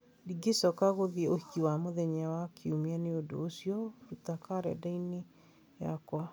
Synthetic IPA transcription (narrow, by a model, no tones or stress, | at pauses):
diɡesɔkaɣoðioikiwamoðɛɲawakʰiumianeodo̰ːsjɔɾutakaɾɛ̰daine | ja̰kwa